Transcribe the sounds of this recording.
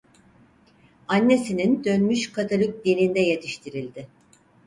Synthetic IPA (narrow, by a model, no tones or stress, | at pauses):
anːe̞sinind̪ø̞nmyʃkʰat̪ʰalʲuk̚d̪iɾʲind̪ɛje̞t̪ʰiʃt̪ʰiɾilʲd̪ɪ